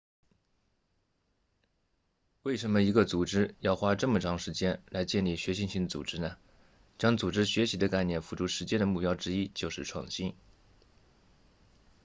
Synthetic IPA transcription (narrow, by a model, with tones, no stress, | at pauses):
we˥˩ɪʂə˧˥nmə˧i˧˥ɡə˧t͡su˨˩ʈ͡ʂɻ̩˥jɑ˥˧ʊxwa˥ʈ͡ʂɤ˥˩mə˩ʈ͡ʂʰɑ˧˥ŋʂɻ̩˧˥t͡ɕjɛ˥nla˧˥ɪt͡ɕjɛ˥˧nli˥˩ɕɥɛ˧˥ɕi˥˧nɕi˥˩ŋd̪ət͡sṵ˨˩ʈ͡ʂɻ̩˥nə˨ | t͡ɕjɑ˥ŋt͡su˨˩ʈ͡ʂɻ̩˥ɕɥɛ˧˥ɕi˧˥d̪ə˧ka˥˧ɪnjɛ˥˩nfu˧˥˩ʈ͡ʂu˥˩ʂɻ̩˧˥t͡ɕjɛ˥nd̪ə˨mu˥˩pjɑ˥ʊʈ͡ʂɻ̩˥i˥t͡ɕjo˥˧ʊʂɻ̩˥˧ʈ͡ʂʰwɑ̰˥˩ŋɕi˥n